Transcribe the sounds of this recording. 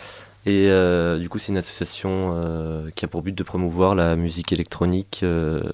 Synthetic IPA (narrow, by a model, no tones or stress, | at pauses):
eød̪ykusɛt̪ynasɔ̥sjasjɔ̃økʲiapuʁbyt̪̚d̪əpχɔmuvwaʁlamyzikelɛk̚t̪χɔnikø